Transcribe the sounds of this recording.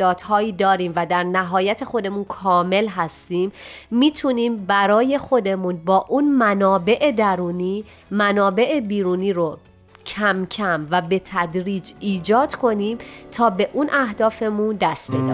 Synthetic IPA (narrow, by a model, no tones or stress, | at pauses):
ɒːt̪hɒːiːd̪ɒːɾiːmvæd̪æɾnæɦɒːjæt̪ʰe̞xo̞d̪e̞munkʰɒːme̞lɦæst̪iːmːiːt̪ʰuniːmbæɾɒːje̞xo̞d̪e̞munbɒːʔunmænɒːbe̞ʔed̪æɾuːniː | mænɒːbe̞ʔe̞biːɾuːniːɾo | cʰæmcʰæmvæbe̞t̪ʰæd̪ɾiːd͡ʒiːd͡ʒɒːd̪̥kʰo̞niːmt̪ʰɒːbe̞ʔunʔæhd̪ɒːfe̞mund̪æst̪bed̪ɒ̰